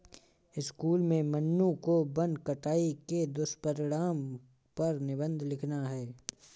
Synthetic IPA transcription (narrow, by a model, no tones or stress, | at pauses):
ɪskuːlmẽmənːukobə̃nd̪kɐʈaːiked̪ʊspəɾɪɽaːm | pɐɾnɪbə̃nd̪ʱlɪkʰnaɦɛː